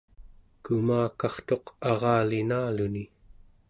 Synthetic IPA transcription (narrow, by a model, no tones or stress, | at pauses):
kumaːkɑχt̪o̞qɑʁɑːlinaːluni